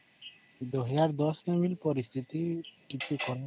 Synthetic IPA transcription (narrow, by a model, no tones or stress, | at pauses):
d̪ɔɦjaɾd̪ɔskemilpɔɾist̪ʰit̪iʈipikɔɾɛ